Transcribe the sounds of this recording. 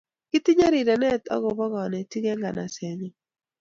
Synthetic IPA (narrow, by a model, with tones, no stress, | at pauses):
kɪ˦t̪i˦ɲa˦ɾi˨ɾɛ˨nɛ˦t̪ɔ̰˦ɣo˨bɔ˦ɡɔ˨nɛ˨ti˦ɡɛ˦ŋɡa˨na˨se˨ɲi˦